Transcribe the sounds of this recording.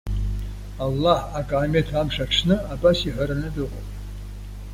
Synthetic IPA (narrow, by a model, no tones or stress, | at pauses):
alːaħakʼaːmetʰamʂaʈ͡ʂʰnɨabasiħʷaɾanɨdɨqʼo̰pʼ